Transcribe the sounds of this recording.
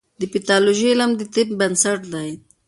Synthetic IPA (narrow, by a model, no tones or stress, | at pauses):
d̪əpɪt̪ɑloʒelamd̪ət̪ɪp̚bansaʈd̪aj̪